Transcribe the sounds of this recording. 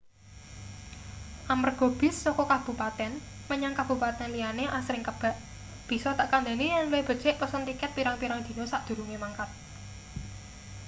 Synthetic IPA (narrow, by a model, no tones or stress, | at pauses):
ʔamərɡ̥ob̥ɪ̤sːɔkɔkab̥ṳpat̪ɛn | məɲaŋkab̥ṳpat̪ɛnlijaneʔasɾɪŋkəb̥a̤ʔ | b̥i̤sɔt̪aʔkand̪e̤nijanleb̥ə̤̥t͡ʃɛʔpəsənt̪ikɪt̪̚piɾaŋpiɾaŋd̪̥i̤nosaʔd̪̥ṳɾuŋemaŋkat̪̚